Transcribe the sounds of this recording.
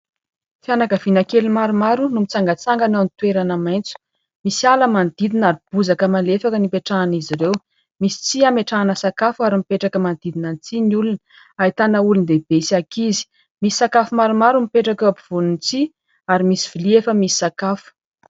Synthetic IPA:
fianakəvinakelimaɾumaɾunumit͡saŋɡat͡saŋɡənanit̪ueɾanamajnt͡su̥ | misialəmand̪id̪inaɾib̥uzakəmalefakənipeʈ͡ʂaːniziɾew | misi̥t͡siameʈ͡ʂaːnəsakafuaɾimipeʈ͡ʂakəmand̪id̪inant͡siniulunə | ait̪anəulund̪eb̥esakizi̥ | mii̥sakafumaɾumaɾumipeʈ͡ʂakapu̥v̥onunt͡si | aɾimisi̥v̥iliefəmisi̥sakafu̥

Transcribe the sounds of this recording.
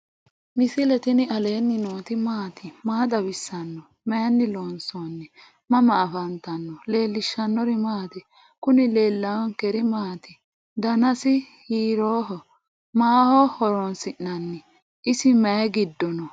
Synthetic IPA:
mɪsɪlɛt̪ɪnɪʔɐle̞ːnːɪnoːt̪ɪmaːt̪ɪmaːd̪ɐbɪsːɐnːɔ | mejnːɪloːnsonːɛ | mɐmɐːfɐnt̪ɐnːɔle̞ːlːɪʃːɐnːɔɾɪmaːt̪ɛ | kʊnɪle̞ːlːɐwɔŋkɛɾɪmaːt̪ɪ | d̪ɐnɐsɪ | hiːɾoːɦɔ | maːhɔhɔɾɔnsɪʔːɐnːɛ | ɪsɪmɐjɛɡɪd̪ːɔnɔ

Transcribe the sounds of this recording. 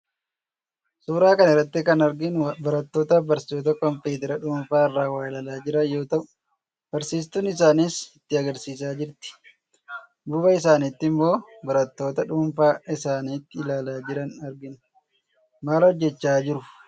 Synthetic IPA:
suːɾaːkɐnɛrːɐt̪ːɪkɐnɐɾɡɪnbɐɾɐt̪ːo̞ːt̪ɐbɐɾsoːt̪ɐkɔmpeːt̪ɛɾɐᶑuːnfaːɪrːaːwaːɪlaːlaːd͡ʒɪɾɐjo̞ːt̪ɐʔʊ | b̥ɐɾsiːs̬t̪ʊnɪs̬aːnɪsɪt̪ːɪɐɡɐɾsiːs̬aːd͡ʒɪɾt̪ɪ̥ | buːbɐɪs̬aːnit̪ːɪmːo̞ːbɐɾɐt̪ːo̞ːt̪ɐᶑuːnfaːɪsaːniːt̪ːɪɪlaːlaːd͡ʒɪɾɐnɐɾɡɪnʊ | maːlhɔd͡ʒːɛt͡ʃːaːd͡ʒɪɾʊ

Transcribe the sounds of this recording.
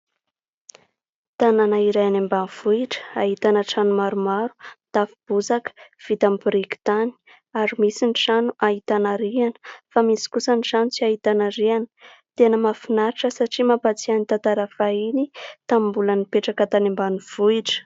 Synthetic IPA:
t̪ananaiɾajanembanuv̥uiʈ͡ʂə̥aɦit̪anəʈ͡ʂanumaɾumaɾu̥t̪afib̥uzakə̥v̥it̪amibrikt̪ani̥ | aɾimisiniʈ͡ʂanuʔaɦit̪anaɾianə̥famisi̥kusəniʈ͡ʂanut͡siait̪anaɾianə̥ | t̪enəmafinaɾiʈ͡ʂəsaʈ͡ʂimapat͡sianit̪ant̪aɾafainit̪ambulənipeʈ͡ʂakət̪animbanuv̥uiʈ͡ʂə̥

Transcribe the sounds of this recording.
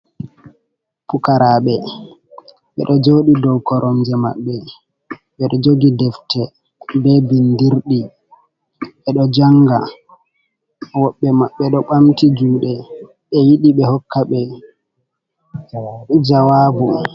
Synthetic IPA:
pukaɾaːɓɛ | ɓɛ̰ɗɔd͡ʒoːɗidɔwkɔɾʔɔmd͡ʒɛma̰ɓːɛ | ɓɛɗɔd͡ʒoɡidɛftɛ | bɛbindiɾɗi | ɓɛɗɔd͡ʒaŋɡa̰ | wɔɓːɛmaɓːɛɗɔɓamtid͡ʒuːɗɛ | ɓɛjiɗiɓɛhɔkːaɓɛ | d͡ʒawaːbu

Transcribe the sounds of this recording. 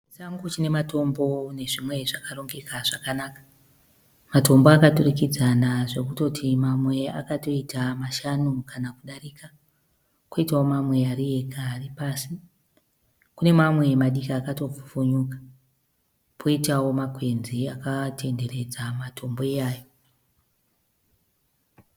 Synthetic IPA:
t͡ʃaŋɡut͡ʃine̞mato̞mbo̞ne̞ʐimwe̞ʐakaro̞ŋɡe̞kaʐakanaːkḁ | mato̞mboakaturikid͡zanaʐe̞kuto̞tʰimamwe̞a̰kato̞itamaʃanukanakuɗaɾika | kwoitao̞mamwe̞aɾije̞kaːripaːsi | kune̞mamwe̞maɗikaːkato̞vufuɲukḁ | pʰo̞itawo̞makwe̞nziakatʰe̞nde̞re̞d͡zamatʰo̞mbo̞ejaːjo

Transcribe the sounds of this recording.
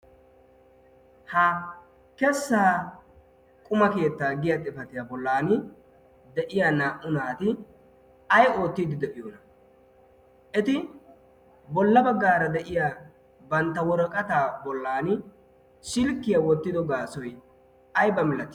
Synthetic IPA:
hɐ | kɛsːaː | kʼʊmɐke̞ːt̪ːaːɡɪjɐt̪ʼɪfɐt̪ɪjabɔlːaːnɪ | d̪ɛʔɪjaːnaːʔʊnaːt̪ɪ | ɐjo̞ːt̪ːiːd̪ɪd̪ɛʔɪjoːnɐ | ʔɛt̪ɪ | bɔlːɐbɐɡːaːɾɐd̪ɛʔɪjaː | bɐnt̪ːɐwɔɾɔkʼɐt̪aːbɔlːaːnɪ | ʃɪlkːɪjɐwɔt̪ːɪd̪ɔɡaːsɔj | ɐjbɐmɪlɐt̪ːɪ

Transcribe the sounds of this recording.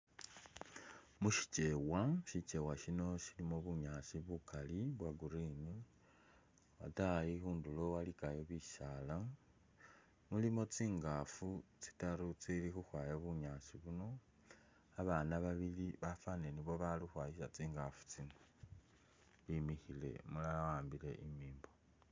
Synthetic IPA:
muʃi̥t͡ʃe̞waʃit͡ʃe̞waʃino̞ʃilimoβuɲasiβukaliβwaɡuɾini | watajixuːndulo̞walikajoβiʃala | mulimo̞t͡siːŋɡafut͡si̥taɾut͡silixuxwajoβuɲaːsiβuno̞ | aβanaβaβiliβafaneniβo̞βalixwaːjisat͡siːŋɡafu̥t͡sino | βimixile̞̰mulawaːmbile̞ʔimiːmbo

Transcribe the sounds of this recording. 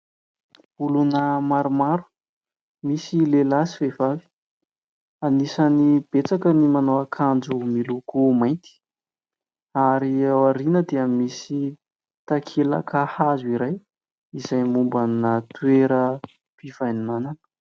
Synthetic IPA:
ulunəmaɾumaɾu̥ | misilelasivevavi̥ | anisanib̥et͡sakənimanowakʰand͡ʒumilukumajnt̪i̥ | aɾiawaɾinəd̪eamisi | t̪akʰela̰kʰahazuiɾaj | izajmumbanat̪ueɾə | pivajnimananə̥

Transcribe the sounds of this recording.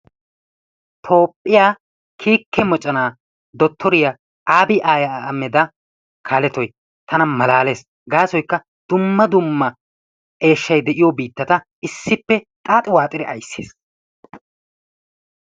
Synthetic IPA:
t̪ʰo̞ːpʼːɪjaː | kʰiːkʰːɛmɔt͡ʃʼɐnaː | d̪ɔt̪ʰːɔɾɪja | ʔaːbɪʔaːjɐːmːɛd̪ɐ | kʰaːlɛt̪ɔj | t̪ʰɐnɐmɐlaːle̞ːs | ɡaːsɔjkːɐ | d̪̥ʊmːɐd̪ʊmːɐ | ʔe̞ːʃːɐjd̪ɛʔɪjɔbiːt̪ːɐt̪ɐ | ʔɪsːɪpːɛ | t̪ʼaːt̪ʼɪwaːt̪ʼɪd̪ɛʔɐjsːe̥̰ːs

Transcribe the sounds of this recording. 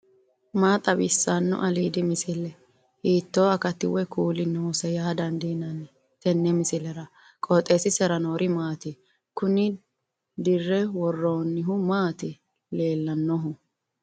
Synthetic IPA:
maːt̪ʼɐbɪsːɐnːʊ̰ʔɐliːd̪ɪmɪsɪlːɛ | hiːt̪ːo̞ːɐkɐt̪ːɪwɛkuːlɪnːoːsɛjaːd̪ɐnd̪inɐn | t̪ɛnːɛmɪsɪlɛɾɐ | kʼoːt̪ʼːeːsɪsɛɾɐnoːɾʔɪmaːt̪ɪ | kʊnɪ | d̪ɪrːɛwɔrːoːnːɪɦʊmaːt̪ɪ | le̞ːlːɐnːɔɦʊ

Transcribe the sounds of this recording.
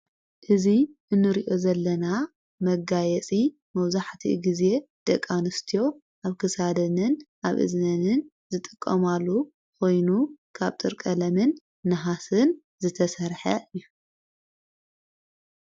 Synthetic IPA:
ʔɨziʔɨnːɨɾiʔo̞zɐlːɐna | mɐɡajɛt͡sʼi | mɐwzaħt̪ʰḭɡize̞d̪̥ɐkʼːanɨst̪ʰijo̞ | ʔaβkʰɨsad̪ɐnɨnʔa̰βʔɨ̰znɐnɨn | zɨt̪ʼɨkʼːɐmalːu | kʰo̞jnukʰaβt̪ʼɨɾkʼɐlɐmɨnː | ɨɦasɨn | zɨt̪ʰɐsɐɾħɐʔɨjːu

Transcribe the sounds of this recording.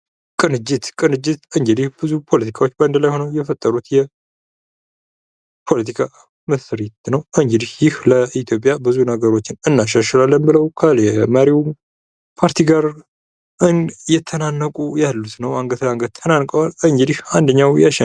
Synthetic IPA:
kʼɨnɨd͡ʒːɨt̪kʼɨnɨd͡ʒːɪt̪ɨŋɡd͡ʒɨd̪ihbɨzupʰo̞lət̪ʰi̥kʰawo̞t͡ʃːband̪əlajho̞nəwjɛfət̪ʼːəɾut̪jɛ | pʰo̞lət̪ʰikʰa | məsɾit̪nəwʔɨŋɡɨd̪ihjɪhləit̪ʰjo̞pʼjabɨzunəɡəɾo̞t͡ʃːɪnɨnːaʃaʃlalːənbɨləwkʰəlɛməɾiw | pʰaɾt̪ʰiɡaɾ | ɨnjɛt̪ʰənanːəkʼujalːut̪nəwaŋɡət̪laŋɡət̪̚t̪ʰːənankʼəwalɨŋɡɨd̪ihand̪əɲːawjaʃɛ

